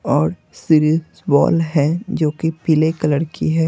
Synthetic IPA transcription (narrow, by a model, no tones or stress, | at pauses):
ɔːɾ | siɾizbɔ̰ːlɦɛd͡ʒoːkipilekɐləɽkḭɦɛː